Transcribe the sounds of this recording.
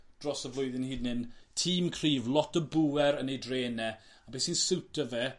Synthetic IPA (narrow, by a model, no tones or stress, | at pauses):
d̥rɔsəvlˠʊɨðɪnhiːdnɪntʰiːmkʰriːvlˠɔtəbuwɛɾənejdreːnɛ | abeːsinsɪwtəvɛ